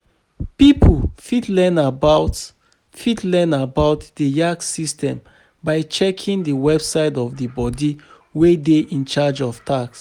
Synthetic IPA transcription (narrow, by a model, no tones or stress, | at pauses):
pipʰfidlɛ̃nabaʊt | fidlɛ̃nabaʊtd̥əjaksistʰɛ̃m | baɪt͡ʃɛkʰĩŋdəwɛbsaɪtɔvdəbɔdi | wedeʔĩnt͡ʃad͡ʒɔftʰaks